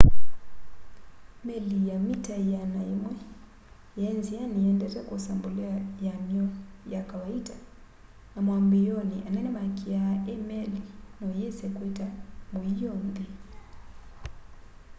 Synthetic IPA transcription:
mɛlijamitajanaimwɛ | jɛnzianijɛndɛtɛkusambuliajamiɔjakawaida | namwambijɔniʔanɛnɛmakiaʔɛmɛlinɔjɛsɛkwɛtamuijɔmbi

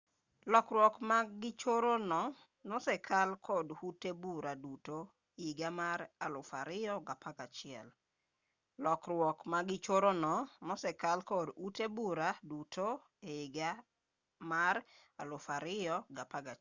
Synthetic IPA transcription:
lɔkrwɔkmaɡɪt͡ʃoɾonɔ | nɔsɛkʰalkʰodutebuɾaduto | eɪɡamaɾalʊfaɾɪjɔɡapakat͡ʃɪɛ̰l | lɔkrwɔkmaɡɪt͡ʃoɾonɔnɔsɛkalkodutebuɾadutʰo | eiɡa | maɾ | alʊfaɾɪjɔɡapaɡa

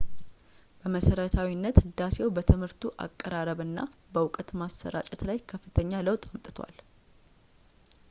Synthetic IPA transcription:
b̥əməsəɾət̪ʰawinːət̪d̪asewbət̪ʰɨmhɨɾt̪ʰuʔa̰kʼːəɾaɾəβɨnːa̰bəwʊkʼət̪masːə̰ɾa̰t͡ʃʼɛt̪lajkʰəfːɨt̪ʰəɲːaləwt̪ʼamt̪ʼɨt̪ʰwa̰l

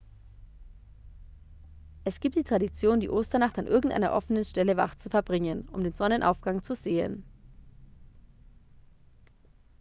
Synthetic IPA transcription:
ʔɛsɡ̥iːptd̥iːtʁ̥adit͡sjoːndḭːʔoːstɐnaχtanʔɪɐɡŋ̩tʔa̰ɪnɐ̰ʔɔfənənʃtɛləva̰ʁt͡sufɛɐbʁɪŋənʔʊ̰mdeːnzɔnənʔa̰ʊfɡ̥aŋt͡suzeːə̰n

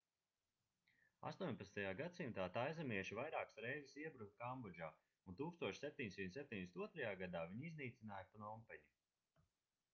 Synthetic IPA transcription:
a̰st̪uɔɲʲpat̪st̪ajaːɡat̪simt̪aːt̪ajzamiɛʃivajɾaːksɾɛjzisiɛbɾuk̪̚kambɔd͡ʒaː | unt̪uːkst̪uɔʃsʲep̚ʲt̪ʲiɲsʲimt̪sep̚ʲt̪iɲd̪esnuɔt̪ɾajaːɡad̪aːviɲizniːt̪sʲinaːjpanɔmpɛɲi

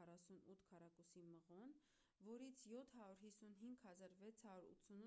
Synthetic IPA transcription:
ɑrɑsunut̪ʰkʰɑrɑkusiməʁɔn | vɔɾit͡sʰjɔt̪ʰhɑɾuɾɦisunɦiŋɡhɑzɑɾvɛt͡sʰhɑɾuɾṵt̪t͡sʰun

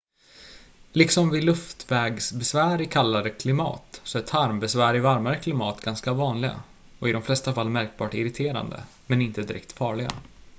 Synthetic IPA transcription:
lɪksɔmvɪlɵft̪vɛːɡsbɛsvæːɾɪkʰalːaɾəkʰlɪmɑ̰ːt̪sɔæt̪ʰaɾmbɛsvæːɾɪvaɾmaɾəkʰlɪmɑːt̪ɡanskavɑːnlɪɡa̰ | ɔɪd̪ɔmflɛst̪afalːmæɾk̚bɑːʈɔɪɾɪt̪ʰeːɾa̰nd̪ə̰ | mɛnɪnt̪əd̪ɪɾɛ̰k̚t̪fɑːɭɪɡa̰

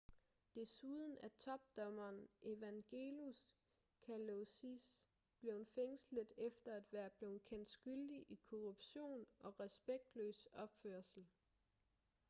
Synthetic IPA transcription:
d̥e̝suð̞ˠn̩æt͡sʰɒ̽b̥̚d̥ɒ̽mɐːnʔe̝ʋæŋɡ̥e̝̰lus | kʰælosis | b̥le̝ʊnfeŋsləð̩ˠefd̥ɐæd̥ʋæɐb̥le̝ʊkʰen̰d̥sɡ̥yld̥iʔikʰo̝ʁub̥ɕo̝̰ːnɒ̽ʁɛsb̥eɡ̥̚d̥lø̰ːsɒ̽b̥føɐ̰sl̩

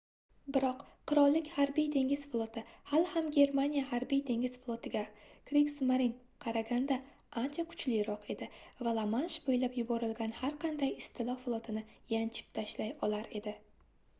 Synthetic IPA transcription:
bɪɾɒq | qʰːʊɾɒlˠːɪkʲhaɾbijd̪e̞ŋʲɪz̥flˠot̪ʰɪhalhamɡʲe̞ɾmanʲijaɦaɾbijd̪e̞ŋɡʲɪz̥flˠot̪ʰɪɡʲakɾiksmaɾin | qʰɑɾaɡʲand̪a | ant͡ʃʰakʰʊ̥t͡ʃlɪjɾɒqe̞d̪ɪvalˠamanʃbojlapjʊbɒɾɪlɡʲanhaɾqʰɑnd̪ajɪst̪ʰɪlˠɒflˠot̪ʰɪnɪjant͡ʃʰɪ̥p̚t̪ʰaʃlajɒlaɾe̞d̪ɪ

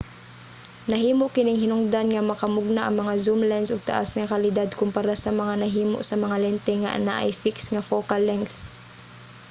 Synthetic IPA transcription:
nɐɦiːmoʔkɪnɪŋhɪnʊŋd̪anŋɐmɐkɐmʊɡ̚naʔɐ̰ŋmɐŋazumlɛnsʊɡ̚t̪ɐ̰ʔa̰sŋɐkɐlɪd̪ad̪̚kʊmpɐɾasɐmɐŋanɐɦiːmo̰ʔsɐmɐŋalɛnt̪ɛŋa̰ʔɐ̰na̰ʔɐ̰jfɪksŋɐfoːkalːɛŋkθ

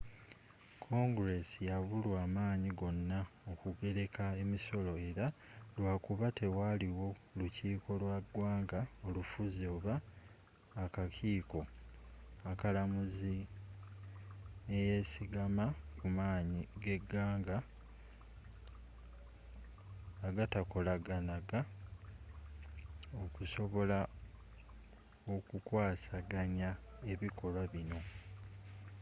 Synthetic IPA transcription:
kʰo̞ŋɡɾe̞sijaβulwaːmaːɲiɡo̞nːaokuɡe̞ɾe̞kae̞miso̞lo̞e̞ɾa | lwaːkuβate̞waliwo̞luciːkʰo̞lwaɡwaːŋɡao̞lufuzioːβaː | kacʰiːko̞ | akalamuzi | neje̞ːsiɡamakumaːɲiɡe̞ɡːaːŋɡa | ɡatako̞laɡanaɡa | o̞kuso̞βo̞la | okukwaːsaɡaɲae̞βikʰo̞lwaβino̞

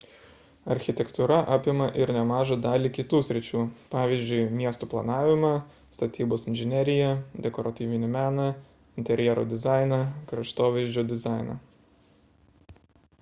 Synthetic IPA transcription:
ɐɾʲxʲɪt̪ʲɛkt̪ʊɾɐʔɑːpʲɪmɐʔɪɾnʲɛmɑːʒɐd̪ɑːlʲiːkʲɪt̪uːsʲɾʲɪt͡ʃʲuːpɑːʋʲiːˑzʲd͡ʒʲʊɪmʲiɛst̪oːplˠɐnɑːʋʲɪmɐ | st̪ɐt̪ʲiːboːsɪnʲʒʲɪnʲɛɾʲɪjɛd̪ʲɛkɔɾɐt̪ʲiːʋʲɪnʲɪmʲæːnɐ | ɪnʲt̪ʲɛɾʲjɛɾo̰d̪ʲɪzɑˑɪnɐkɾɐʃt̪oːʋʲɛɪzʲd͡ʒʲoːd̪ʲɪzɑˑɪnɐ̰

